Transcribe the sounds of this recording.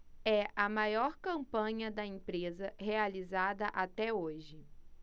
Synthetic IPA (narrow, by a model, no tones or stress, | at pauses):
ɛʔɐmajɔɾkɐ̃mpɐ̃ɲɐd̪ɐẽpɾezɐɦealizad̪ɐʔat̪ɛoʒɪ